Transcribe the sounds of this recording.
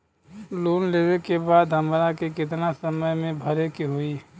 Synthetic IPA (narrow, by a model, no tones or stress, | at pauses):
loːnleːʋekebaːd̪ɦɐmɾakekɪt̪nasəməjmẽbʱəɾekiɦoiː